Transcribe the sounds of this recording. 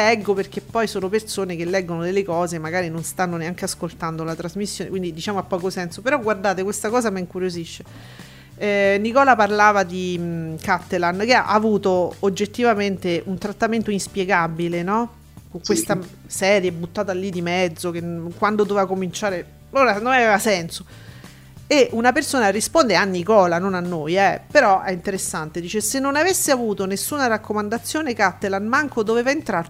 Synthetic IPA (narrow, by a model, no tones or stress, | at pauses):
lɛɡːoperk̟epːɔjsoːnopersoːnek̟elːɛɡːonod̪elːekɔːzemːaɡaːɾinonst̪anːoneaŋkeaskolt̪and̪olat̪ɾazmisːjoːnekwind̪id̪it͡ʃaːmoapːɔːkosɛnsopeɾɔɡward̪aːt̪ekwest̪akɔːzamiŋkuɾjoziʃːe | nikɔːlaparlaːvad̪ikat̪ːelank̟ea̰ʔaːvuːt̪oːd͡ʒːet̪ːivament̪eʔunt̪ɾat̪ːament̪oinspjeɡabilenɔ | koŋkwest̪a | sɛːɾjebut̪ːaːt̪alːid̪imɛd̪zːok̟enkwand̪od̪ovevakomint͡ʃaːɾe | loɾanonavevasɛnso | eʔunapersoːnarispond̪eanːikɔːlanonanːojɛpeɾɔʔɛint̪eɾesːant̪ed̪iːt͡ʃesenːonavesːeavuːt̪onesːuːnarakːomand̪at̪sːjoːnekat̪ːelanmaŋkod̪oveːvaent̪ɾar